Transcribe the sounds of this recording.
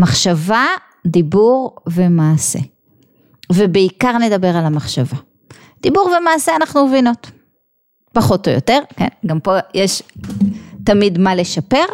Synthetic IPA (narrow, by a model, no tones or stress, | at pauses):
maχʃava | dibuʁve̞maːse̞̰ | vebeikaʁne̞dabe̞ʁalamaχʃava | d̥ibuʁvemaːseanaχnumevino̞t | paχo̞tojo̰te̞ʁke̞̰nɡampo̞jeʃ | tamidmale̞ʃape̞ʁ